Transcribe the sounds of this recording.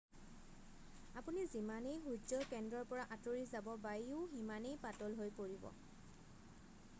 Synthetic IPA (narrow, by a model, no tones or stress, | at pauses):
apunizimanejɦud͡ʒɔkɛndɹɔɹpɔɹaʔatoɹizabɔbajʊʊɦimanejpatɔlɦojpoɹibɔ̰